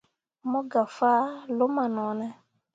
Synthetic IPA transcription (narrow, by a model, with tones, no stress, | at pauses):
mɔ˦ɡa˨faː˦lo˨˦ma˨nɔ˨˦nɛ˦